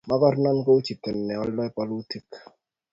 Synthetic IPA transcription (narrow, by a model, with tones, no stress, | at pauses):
ma˦kɔ˦ɾnɔ˦nko˦u˦t͡ʃi˨tɛ˨nːɛ˨ɔ˦lːɔ˦ɛ˦pɔ˨lu˦ti˦k